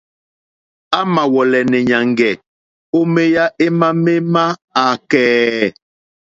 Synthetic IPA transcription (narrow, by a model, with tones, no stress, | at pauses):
a˦ma˨wɔ˨lɛ˨nɛ˨ɲa˨ŋɡɛ˨ | o˦me˦ja˦ʔe˦ma˦me˦ma˦a˨kɛː˨